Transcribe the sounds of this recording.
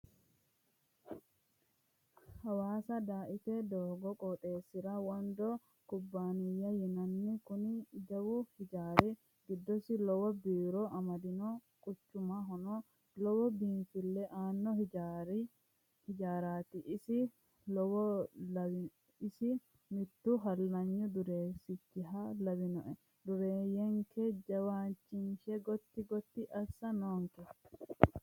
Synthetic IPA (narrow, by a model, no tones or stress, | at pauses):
hawaːsadaːʔit̪ɛd̪ɔːɡɔkʼɔɗeːsiɾawɔndɔ | kubːaːnijajinanːikunid͡ʒawuhid͡ʒaːɾɛ | ɡidːɔsilɔwɔbiːɾɔʔamad̪inɔ | kʼut͡ʃːumaɦɔnɔ | lɔwɔbinfɪlːɛʔaːnːɔɾ | hɪd͡ʒaːɾaːt̪ɪʔsɪ | lɔwɔ | ɪsɪ | mɪt̪ːʊɦɐlːɐɲːʊd̪ʊɾeːɾsɪt͡ʃːɪɦalɐwɪnɔʔɛ | d̪ʊɾeːjɛŋkʰɛd͡ʒɐwaːnt͡ʃːɪnʃɛɡɔt̪ːɪɡɔt̪ːɪʔɐsːɐnoːŋkɛ